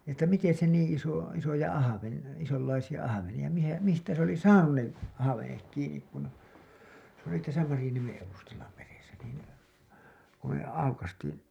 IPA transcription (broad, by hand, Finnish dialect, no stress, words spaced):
etːæ miten̞ se niːĩ iso isojɑ ɑhɑʋeni isolːɑisijɑ ɑhɑʋenij̆ɑ mihæ mistæ se oli sɑːnun ne ɑhɑʋenek kiːnik kun se oli tæsæ mɑrĭjɑniemen eʋustɑlːɑ meresæ niːn ku me ɑukɑstiːn